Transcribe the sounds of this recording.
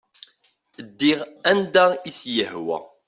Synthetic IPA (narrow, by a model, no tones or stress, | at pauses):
d̪ːiʁænd̪æisjəhwæ̰